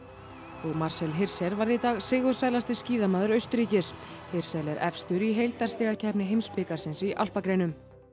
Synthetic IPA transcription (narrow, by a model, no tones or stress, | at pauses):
ɔɣmaɾ̥sɛlɦɪr̥sɛɾvaɾðit̪aːɣsɪːɣʏsvaːjlast̪ɪsciːðamaːðʏɾœɥst̪ʏɾiːcɪɾ̥ | hɪr̥sɛlɛɾʔɛ̰fst̪ʏɾiɦejlt̪aɾ̥st̪iːɣacʰɛhpnɪɦejmspɪːkaɾ̥sɪnsiʔa̰l̥pakɾeːjnʏm